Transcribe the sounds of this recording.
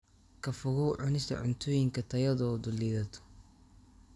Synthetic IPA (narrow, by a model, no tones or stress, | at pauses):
kʰɐfʊɣʊːʕʊnɪst̪ʰɐ̰ʕʊ̰nt̪ʰɔːjɪŋkʰɐt̪ʰɐjɐðɔːd̪ʊliːðɐt̪ʰɔ̥